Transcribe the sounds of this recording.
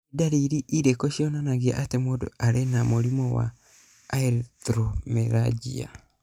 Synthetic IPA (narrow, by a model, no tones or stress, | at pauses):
daɾiɾiʔiɾekɔʃjɔnanaɣia̰ʔatemoːdo̰aɾenamoɾimɔwa̰ː | eɾtɾomeɾad͡ʒḭa̰